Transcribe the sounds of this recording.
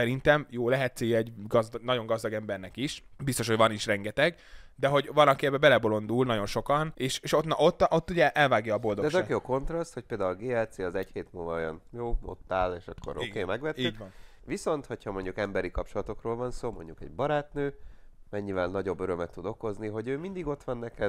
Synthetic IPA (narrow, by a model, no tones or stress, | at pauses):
sɛɾint̪ɛmjoːlɛɦɛt̪seːɡɛɟɡɒzd̪nɒɟo̞ŋɡɒzd̪ɒɡɛmbɛrnɛkiʃbist̪o̞ʃhovɒniʃrɛŋɡɛt̪ɛɡ | d̪ɛɦo̞ɟvɒnɒkiɛbɛbɛlɛbo̞lo̞nd̪ulnɒɟo̞nʃo̞kɒneːʃeːʃot̪nɒʔot̪ːʔot̪ːuɟɛʔɛlvaːɡjɒːbo̞ld̪oɛzɛkjoko̞nt̪rɒst̪hoc̚peːld̪aːulɡeːɛlt̪seːɒzɛcheːt̪mulvɒojɒnjoːo̰t̪ːaːleːʃɒkʰːo̰ɾo̰keːmɛɡʋvɛt̪ːiːɟvɒn | viso̞nt̪ho̞cʰhɒmo̞ɲɟukɛmbɛɾikɒpt͡ʃo̞lɒt̪o̞kroːlvɒnsoːmo̞̰ɲɟukɛ̰ɟbɒɾaːt̪nøːmɛɲːivɛlnɒɟo̞bːøɾømɛt̪ːud̪o̞ko̞zniɦo̞ɟøːmind̪iɡo̞t̪ʋɒnːɛkɛ